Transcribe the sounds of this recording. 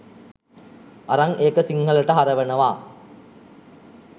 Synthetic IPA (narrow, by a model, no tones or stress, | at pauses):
ɐɾaŋʔeːkəsiŋhɐlɐʈəɦaɾɐʋɐnɐʋaː